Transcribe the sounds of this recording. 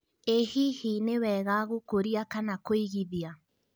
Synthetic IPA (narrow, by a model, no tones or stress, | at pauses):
ehihinewɛɣaɣokoɾiakanakoiɣiðia